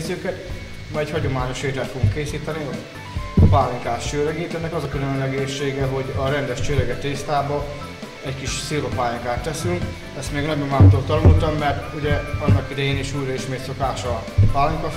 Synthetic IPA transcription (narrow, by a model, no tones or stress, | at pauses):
zøːkɛt̪ | mɒɛchɒɟo̞maːɲo̞ʃeːt̪ɛlt̪fo̞ɡuŋkːeːsiːt̪ɛniɒ | paːliŋkaːt̪t͡ʃøːɾɛɡeːt̪ɛnːɛkɒzɒkylønlɛɡeːʃːeːɡɛɦo̞ɟɒɾɛnd̪ɛʃt͡ʃøːɾɛɡɛt̪eːst̪aːbɒ | ɛckiʃsiːɾopaːjiŋkaːt̪ːɛsyŋk | ɛst̪meːɡnɒɟomaːmt̪oːt̪ɒnult̪ɒmːɛrt̪uɟɛɒnːɒkid̪ɛjeːniʃuːjɾɒiʃmeːt̪so̞kaːʃɒpaːliŋkɒ